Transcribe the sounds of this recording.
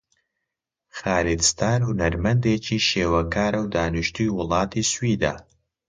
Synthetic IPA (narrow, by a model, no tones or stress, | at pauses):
xaːlid̪st̪ʰaːɾhʊnɐɾmɐnd̪eːt͡ʃʰiːʃeːwɐkʰaːɾɐwd̪aːnuʃt̪ʰujwʊlˠɑːt̪ʰiːswiːd̪a̰ː